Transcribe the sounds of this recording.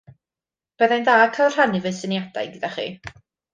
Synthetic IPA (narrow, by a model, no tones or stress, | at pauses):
b̥eðajndaːkʰalˠr̥anɨvəsənjad̥a̰jɡəd̥aχḭː